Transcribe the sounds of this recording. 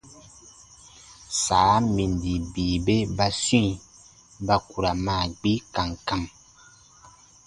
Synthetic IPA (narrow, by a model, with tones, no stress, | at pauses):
saː˨˦mi˨ndi˨bi˨be˦ba˦sĩ˦˨ | ba˦ku˨ɾa˨ma˦˨ɡ͡bi˦ka˨ŋ˨ka˦˨m